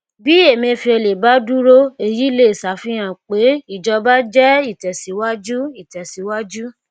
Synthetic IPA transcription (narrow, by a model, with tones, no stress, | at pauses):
bi˨˦e˦˨mĩ˧fi˧e˧le˨ba˦du˦ɾo˦e˧˨ji˨˦le˦˨sa˨˦fĩ˦j̃ã˦˨k͡pe˨˦i˦˨d͡ʒɔ˧ba˦d͡ʒɛ˦i˦˨tɛ˨si˨˦wa˦d͡ʒu˦i˦˨tɛ˨si˨˦wa˦d͡ʒu˦